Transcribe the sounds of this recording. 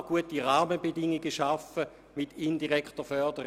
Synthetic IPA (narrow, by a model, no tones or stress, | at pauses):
ɡ̥uətiʁaːməbedɪŋːiɡəʃafə | mitʰɪndiʁɛktəfœɐdəʁ